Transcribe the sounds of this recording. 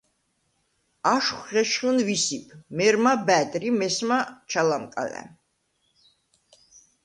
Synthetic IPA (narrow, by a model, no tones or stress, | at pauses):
aʃχʁɛʃχənvisipʰmɛɾmabæt̪ʼɾimɛsmat͡ʃʰalamkʼa̰lɛ̰